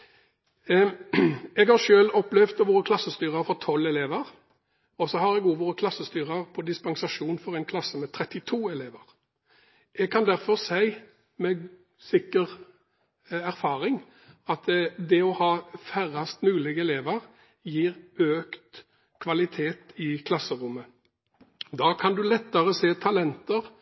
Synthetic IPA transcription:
ɛɡhɑʃøːlɔplɛʋt̪ʋoːɾəkʰlɑsːəst̪yːʁəɾfɔʁt̪ʰɔlːɛleːʋəʁ | ɔsɔhɑɾɛɡuːʋoʁəkʰlɑsːəst̪yːʁɑʁpʰɔd̪ɪspɑnsɑʂuːnfɔʁæɛɪnkʰlɑsəmɛt̪ʰɾɛt̪ːɪt̪ʰuːɛleːʋəʁ | ʔɛɡ̚kʰɑnd̪æɾfɔʁsæɪ | mɛ | sɪkːəʁ | æʁfɑːʁɪŋ | ɑt̪d̪ɛɔhɑːfæʁɑst̪mʉːlɪɡɛleːʋəʁ | jiːʁøːkt̪ | kʰʋɑlɪt̪ʰeːt̪ɪkʰlɑsəʁʊmːə | d̪ɑːkʰɑnd̪ʉlɛt̪ːəʁəseːt̪ʰɑlɛnt̪əʁ

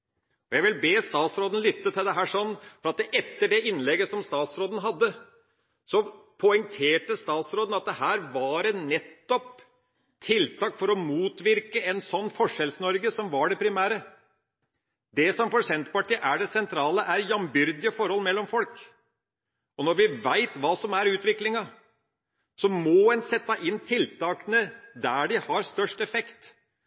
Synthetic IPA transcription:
ɔjæʋɪlbeːst̪ɑːt̪sɾoːd̪ən̩lʏt̪ːət̪ʰɪld̪ɛɦæːʂɔnːfɔɾɑt̪d̪ɛʔɛt̪ːəɖɛɪnːlɛɡəsɔmst̪ɑːt̪sɾoːd̪n̩ɦɑd̪ːə | sɔpʰɔɛŋt̪ʰeːʈəst̪ɑːt̪sɾoːd̪n̩ɑt̪̚d̪ɛhæːɾʋɑɖɛnɛt̪ːɔp | t̪ʰɪlt̪ɑːkfɔɾɔmuːt̪ʋɪɾkəɛnsɔnːfɔʂɛlsnɔɾɡəsɔmʋɑɖɛpʰɾɪmæːɾə | d̪ɛsɔmfɔʂɛnt̪pɑʈʰiːəʔæɖɛsɛnt̪ʰɾɑːləʔæɾjɑmbʏɾd̪ɪəfɔɾhɔlmɛlːɔmfɔlk | ɔnɔɾʋɪʋæɪt̪ʋɑːsɔmæɾʉːt̪ʋɪklɪŋɑ | sɔmɔɛnsɛt̪ːɑʔɪnːt̪ʰɪlt̪ʰɑːkənəd̪æːɖɪhɑɾst̪œʂʈɛfɛkt̪

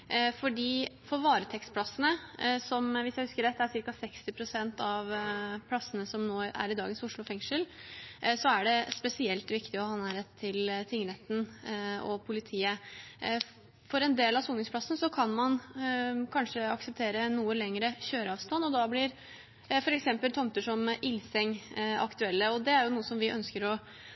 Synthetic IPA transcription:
fɔɖiːfɔɾʋɑːɾət̪ʰɛkst̪pʰlɑsːənəsɔmʋɪsjæɪhʉskəɾɛt̪ːæsɪɾkɑsɛkst̪ɪpʰɾʊsɛnt̪ɑʋpʰlɑsːənəsɔmnoːæ̰ɾɪd̪ɑːɡənsʊʂɭʊfɛŋʂəl | sɔæɖɛspɛsɪɛlt̪ʋɪkt̪ɪɔhɑːnæːɾɛt̪ʰːɪlt̪ʰɪŋəɾɛt̪nɔ̰pʰʊlɪt̪ʰiːə | fɔɾɛnd̪eːlɑsuːnɪŋsplɑsn̩sɔkʰɑnmɑn | kʰɑnʂəɑksəp̚t̪ʰeːɾənuːəlɛŋɾəçøːɾəɑːʋst̪ɑnːɔd̪ɑblɪɾ | fɔɾɛksɛmpəlt̪ʰɔmt̪əʂɔmɪlsɛŋɑ̰kt̪ʉɛlːəɔd̪ɛæɾjʊnuːəsɔmʋɪʔœnskəɾɔ

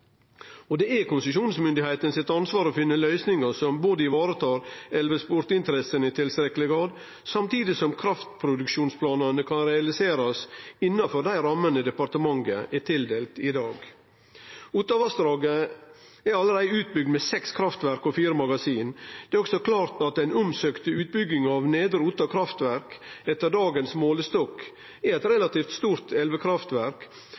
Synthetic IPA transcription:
ɔd̪ɛækʰʊnsəʃuːnsmʏnd̪ɪheɪt̪ənsɪt̪ɑnsʋɑːɾɔfɪnːəlœʏsnɪŋəsɔmboːd̪əɪʋɑːɾət̪ʰɑːɾɛlʋəspʊɾt̪ɪnt̪əɾɛsənɪt̪ʰɪlst̪ɾɛkːəlɪɡɾɑːd̪ | sɑmt̪ʰiːd̪ɪsɔmkʰɾɑft̪pʰɾʊd̪ʉkʃuːnspʰlɑːnɑnəkʰɑnɾɛɑlɪseːɾɑsɪnːɑfɔɾɖ̪æɪɾɑmːənəd̪ɛpɑɾt̪əmɑŋɡə̰ʔɛt̪ʰɪld̪eːlt̪ɪd̪ɑːɡ | uːt̪ɑʋɑst̪ɾɑːɡə | ɛɾɑləɾæɪʉːt̪̚bʏɡ̚d̪mɛsɛkskʰɾɑft̪ʋæɾkɔfiːɾəmɑɡɑsiːnd̪̥ɛːɔksɔkʰlɑːɾt̪ɑt̪æɪnʊmsøːkt̪əʉːt̪̚bʏɡːɪŋɑʋneːd̪əɾut̪ɑkʰɾɑft̪ʋæɾkɛt̪ːəɾɖɑːɡənsmoːləst̪ɔk | ɛɾɛt̪ɾɛlɑt̪iːft̪st̪uːɾt̪ʰɛlʋəkʰɾɑft̪ʋæɾk

